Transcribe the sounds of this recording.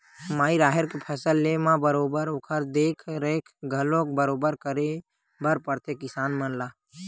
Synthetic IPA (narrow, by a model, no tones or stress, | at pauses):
maːiɾaːɦəɾkepʰəsəlːemãbəɾoːbəɾokʰəɾd̪eːkʰɾeːkʰɡʱəlõk̚bəɾoːbəɾkəɾe | bəɾpəɾt̪ekɪsaːnmənlaː